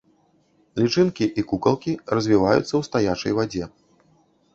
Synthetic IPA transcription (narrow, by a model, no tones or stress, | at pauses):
lʲit͡ʂɨnkʲiʔikukɐlˠkʲirɐzʲvʲivajṵt̪sːɐwst̪ajat͡ʂɐ̰jvad͡zʲɛ